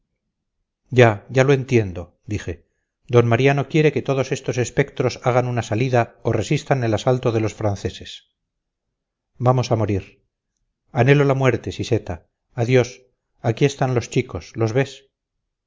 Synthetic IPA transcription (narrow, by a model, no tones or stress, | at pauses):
ɟ͡ʝaʝaloe̞nt̪je̞nd̪o̞ | d̪ixe̞ | d̪o̞nmaɾjano̞kje̞ɾe̞ke̞t̪o̞ðo̞se̞st̪ose̞spe̞kt̪ɾo̞saɣ̞anunasaliðaore̞sist̪ane̞lasalt̪o̞ðe̞lo̞sfɾanθe̞se̞s | bamo̞samo̞ɾiɾ | ane̞lo̞lamwe̞ɾt̪e̞sise̞t̪aː | ðjo̞s | akie̞st̪anlo̞st͡ʃikoslo̞zβe̞s